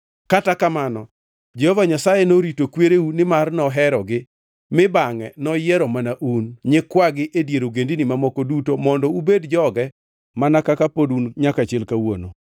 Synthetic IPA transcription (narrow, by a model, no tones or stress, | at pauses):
katakamanɔ | d͡ʒɛhɔvaɲasajenoɾitokweɾeunɪmarnɔɦɛɾɔɡɪ | mɪbaŋɛ̰nɔjɪɛɾɔmanaʔunɲɪkwaɡɪʔedjeɾoɡendinimamɔkɔdutomɔndɔubedd͡ʒɔɡɛ | manakakapodunɲakat͡ʃɛlkawo̰no̰